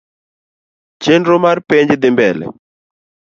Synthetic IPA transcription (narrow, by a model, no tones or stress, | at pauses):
t͡ʃenɾomarpeɲd͡ʒd̪ɪmbɛlɛ̰